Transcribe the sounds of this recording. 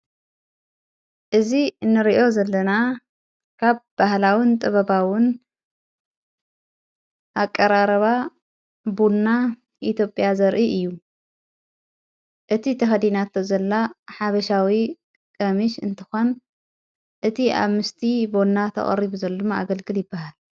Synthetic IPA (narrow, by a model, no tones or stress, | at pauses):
ʔɨzinːɨɾiʔo̞zɐlːɐna | kʰaβb̥ahlawint̪ʼɨβɐbawʊn | ʔakʼːɐɾaɾɐβa | bunːa | ʔit̪jo̞pʼjazɐɾʔiʔɨjːu | ʔɨt̪ʰit̪ʰɐxɐd̪inat̪ʰːozɐlːaħaβɐʃawi | kʼɐmiʃɨ̰nt̪ʰɨ̥xo̞n | ʔɨt̪ʰiʔa̰βmɨst̪ʰibonːat̪ʰɐ̰χʼɐ̰ɾiβuzɐld̪maa̰ɡɐlɡɨljɪbːahal